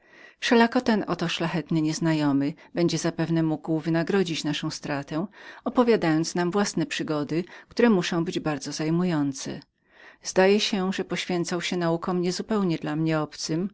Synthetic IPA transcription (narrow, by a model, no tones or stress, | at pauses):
fʂɛlakɔt̪ɛnɔt̪ɔʂlaxɛt̪nɘɲɛznajɔmɘbɛɲd͡ʑɛzapɛvnɛmuɡwvɘnaɡɾɔd͡ʑit͡ɕnaʂɔ̃w̃st̪ɾat̪ɛɔpɔvʲjad̪ajɔnt̪snamvwasnɛpʂɘɡɔd̪ɘkt̪uɾɛmuʂɔ̃w̃bɘd͡ʑbaɾd̪zɔzajmujɔnt̪sɛ̰ | zd̪ajɛɕɛʐɛpɔɕfʲjɛnt̪sawɕɛnaukɔmɲɛzupɛwɲɛd̪lamɲɛɔpt̪sɘm